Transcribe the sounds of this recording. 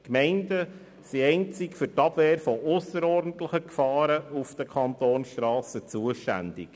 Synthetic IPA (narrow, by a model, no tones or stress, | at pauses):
kmɛɪndə | siɛɪnt͡sɪkfʏtɑb̥ʋeːɾfɔʔʊsəɾɔrdn̩tləχəkfɑːɾəufd̥əkʰɑnt̪oːnsʃtɾɑːsət͡suəʃtæ̰nd̥ɪ̰k